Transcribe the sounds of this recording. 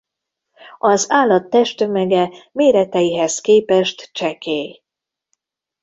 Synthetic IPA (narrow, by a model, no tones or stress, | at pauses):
ɒzaːlːɒt̪ːɛʃt̪ømɛɡɛmeːɾɛt̪ɛjiɦɛzkeːpɛʃt̪t͡ʃɛkeːj